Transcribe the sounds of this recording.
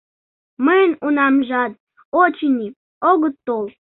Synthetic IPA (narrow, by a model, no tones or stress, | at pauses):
mənunɑmʒɑd̪̚ | ot͡ɕinʲi | oɣət̪ːolˠ